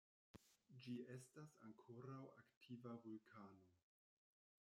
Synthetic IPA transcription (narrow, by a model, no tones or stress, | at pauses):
d͡ʒie̞stasa̰ŋkʰo̞ɾawaktʰivavulkʰano̞